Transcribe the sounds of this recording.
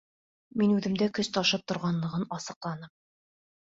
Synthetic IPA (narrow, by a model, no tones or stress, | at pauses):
minʉðɘ̆md̪ækɵst̪ɒʃɤp̚t̪ŏɾʁɑnlˠɤ̆ʁɤnɒsɤ̆qlˠɑn̪ɤm